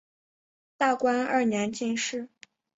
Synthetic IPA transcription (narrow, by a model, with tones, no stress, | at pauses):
t̪a˥˩kwa˥nə˞˥˩njɛ˧˥nt͡ɕi˥˧nʂɻ̩˥˩